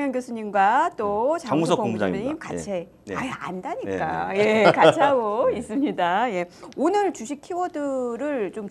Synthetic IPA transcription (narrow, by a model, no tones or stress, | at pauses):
ŋjʌnɡjosʰuɲimɡwat͈ot͡ɕaaŋussʰʌkoŋud͡ʑa̰ŋmaɲimkat͡ɕʰe | aea̰ndaɲikk͈ajekat͡ɕʰiaɡois͈ɯmɲidaje̞onɯɭt͡ɕuɕʰikʰiwʌdɯɾɯɭt͡ɕom